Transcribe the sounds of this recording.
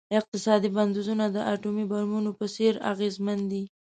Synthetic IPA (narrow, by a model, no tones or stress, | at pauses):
ɪq̚t̪ɪsɑd̪iband̪uzunad̪əʔaʈumibaɾmunopəseɾa̰ɣezmand̪i